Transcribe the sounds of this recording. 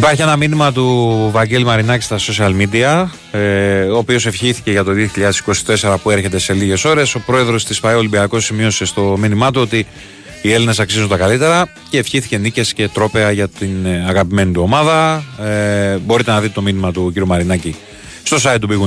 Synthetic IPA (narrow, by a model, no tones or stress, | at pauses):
ipɐɾçie̞nɐminimɐt̪uvɐɟelimɐɾinɐci̥st̪ɐso̞siɐlmid̪iɐ | oːpio̞se̞fçiθi̥ce̞ʝɐt̪o̞ðio̞çiʎɐðe̞siko̞si̥t̪e̞se̞ɾɐpue̞ɾçe̞t̪e̞se̞liʝe̞so̞ɾe̞so̞pɾo̞e̞ðɾo̞st̪isfɐeolibiɐko̞simio̞se̞st̪o̞minimɐt̪uo̞t̪iː | e̞line̞s̬ɐksizund̪ɐkɐlit̪e̞ɾɐ | ce̞ːfçiθice̞nice̞sce̞t̪ɾo̞pe̞ɐʝɐt̪inɐɣɐpime̞nit̪uo̞mɐðɐ | bo̞ɾit̪enɐðit̪et̪o̞minimɐt̪uciɾiumɐɾinɐci | st̪o̞sɐit̪t̪ːubiɣu